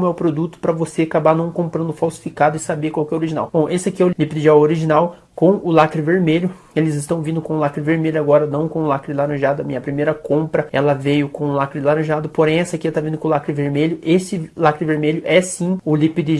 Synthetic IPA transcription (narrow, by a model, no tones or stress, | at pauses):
mʊɛwpɾod̪ut̪ʊ̥pɾɐvoseakabanɐ̃w̃kõmpɾɐ̃nd̪ʊfawsi̥fikad̪ʊɪsabekwawkɛoɾiʒina̰wb̥õw̃ʔesɪakiɛʊllipɪd̪ɪd͡ʒawoɾiʒĩnaw | kõʊlakɾɪveɾmeʎʊ | elɪzɪst̪ɐ̃w̃vĩnd̪ʊkõʊlakɾɪveɾmeʎʊaɡɔɾɐnɐ̃w̃kõʊ̃lakɾɪlaɾɐ̃ʒad̪ʊɐmĩɲɐpɾimejɾɐkõmpɾɐɛ̰lɐvejʊkõʊlakɾɪlaɾɐ̃ʒad̪ʊpoɾẽj̃ɛsɪakiɛt̪avĩnd̪ʊkõlakɾɪveɾmeʎʊʔesɪlakɾɪveɾmeʎʊʔɛsĩʊlipid̪i